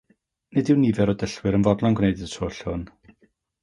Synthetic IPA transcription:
nɪdɪwnivɛɾɔdəɬwɪɾənvɔdlˠɔŋɡwnejdɪdtʰoːɬʊn

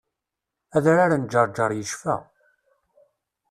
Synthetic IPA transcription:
æðɾaɾand͡ʒːəɾˤd͡ʒɑɾˤjəʃfæ̰

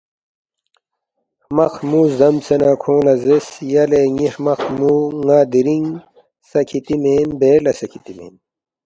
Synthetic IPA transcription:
hmɐxmuːzɐmsenaːkʰõːlɐzesjɐleŋihmɐxmuːŋaːd̪iɾiŋ | sɐkʰit̪imeːnbeːlɐsɐkʰit̪imḛːn

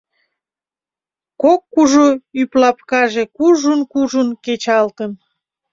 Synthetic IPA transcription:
kokːuʒoyplɑpkɑʒekuʒunkuʒənket͡ɕɑlt̪ən

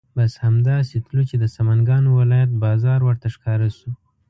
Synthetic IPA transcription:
bashamd̪ɑset̪lut͡ʃed̪əsamanɡɑnowɪlɑjat̪̚bɑzɑɾwəɾt̪aʂkɑɾasu

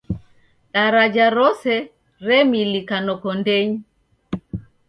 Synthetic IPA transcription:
ɗaɾad͡ʒaɾɔsɛ | ɾɛmilikanɔkɔndɛɲi

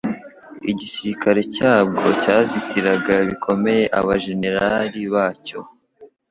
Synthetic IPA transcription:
iɟisiɾikaɾe̞caːb̚ɡo̞caːzitiɾaɡaβikʰo̞me̞je̞ʔaβaʒe̞ne̞ɾaɾiβaːco̞̰

